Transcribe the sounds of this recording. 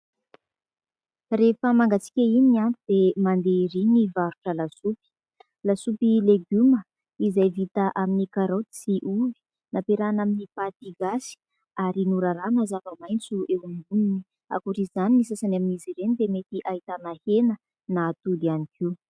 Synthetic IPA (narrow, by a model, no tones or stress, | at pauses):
refəmaŋɡat͡si̥kʲəininiant̪ud̪emand̪eɾinivaɾuʈ͡ʂəlasupi̥ | lasupileɡumə | izajvit̪aʔaminikaɾow̪isiʔuvi̥ | napeɾanaminipat̪iɡasi̥ | aɾinuɾaɾamazavəmajnt͡suewumɡunini | a̰kuɾizaninisasanaminiziɾenid̪emet̪iʔait̪anahenə | naːt̪ud̪ianikʰiw